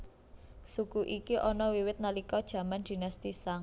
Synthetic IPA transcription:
sukuʔikiʔɔnɔwiwɪt̪̚nalikɔd̥ʒ̥ä̤mand̪̥i̤nast̪isaŋ

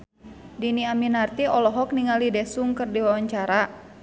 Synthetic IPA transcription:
diniaminart̪iɔlɔɦɔk̚niŋalidɛsuŋkərdiwawaɲt͡ʃaɾa

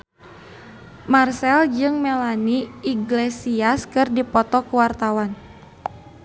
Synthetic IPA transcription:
marsɛld͡ʒɨŋmelaniiɡlesiaskɨrdipɔt̪ɔkuwart̪awan

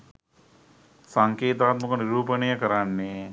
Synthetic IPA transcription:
saŋkeːt̪aːt̪mɐkɐniɾuːpɐnɐjɐkəɾanːe

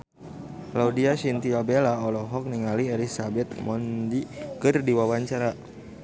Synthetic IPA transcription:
laudiaʃint̪iabelaɔlɔɦɔk̚niŋalielisabɛt̪̚mɔndikɨrdiwawaɲt͡ʃaɾa

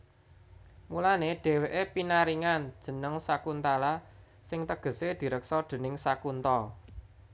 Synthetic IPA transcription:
mulaneɖ̥ɛ̤weʔepinaɾiŋand̥ʒ̥ə̤nəŋsakunt̪ala | sɪŋt̪əɡ̥ə̤sed̪̥i̤ɾəksɔd̪̥e̤nɪŋsakunt̪ɔ

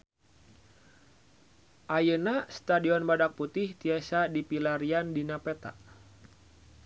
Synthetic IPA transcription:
ʔajənast̪adiɔnbadak̚put̪ɪht̪iasadipilaɾiandinapɛt̪a̰ʔ

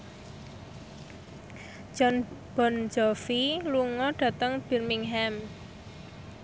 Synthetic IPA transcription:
d͡ʒ̥ɔnb̥ɔ̤nd͡ʒɔfiluŋɔɖ̥ä̤t̪əŋb̥i̤rmiŋɦɛm

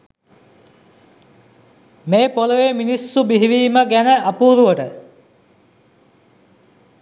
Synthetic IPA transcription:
meːpoləʋeminisːubiɦiʋiːməɡænəapuːɾuʋəʈə

